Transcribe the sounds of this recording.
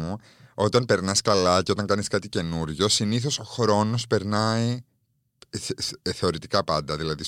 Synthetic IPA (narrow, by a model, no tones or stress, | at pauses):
u | o̞t̪ɐnpe̞ɾnɐskɐlɐceo̞t̪ɐŋkɐniskɐt̪ice̞nuɾʝo̞siniθo̞so̞xɾo̞no̞spe̞ɾnɐi | θe̞o̞ɾit̪ikɐpɐnd̪ɐðilɐðis